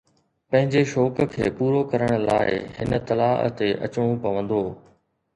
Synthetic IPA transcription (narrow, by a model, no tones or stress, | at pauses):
pɐ̃ɦɪ̃ɲd͡ʑeʃɔːkkʰḛːpuːɾokɐɾəɽ̃ʊ̆la̰ːɪ̰ɦɪnə̆t̪ɐlaːʔə̰t̪eʔɐ̰t͡ɕɽ̃õpɐʋə̃nd̪oː